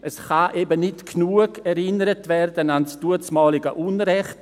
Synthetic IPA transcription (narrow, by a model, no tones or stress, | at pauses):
ʔəsχaʔɛbənɪtknuəɡɛɾɪnəɾətvɛrdənansd̥uət͡smɑːlɪɡə̰ʔunɾɛχt